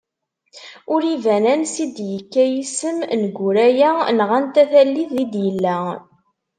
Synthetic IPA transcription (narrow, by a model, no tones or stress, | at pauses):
ʊɾivænænsid̪jəkːæjisəmnəɡʷuɾæjænʁænt̪æθælːiθid̪jəlːæ